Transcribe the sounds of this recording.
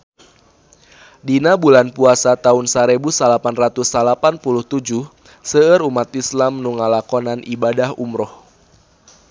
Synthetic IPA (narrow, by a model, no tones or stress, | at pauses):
dinabulanpuasat̪aʊnsaɾebusalapanrat̪usalapanpuluht̪ud͡ʒuh | səəɾumat̪islamnuŋalakɔnanʔibadahumɾɔh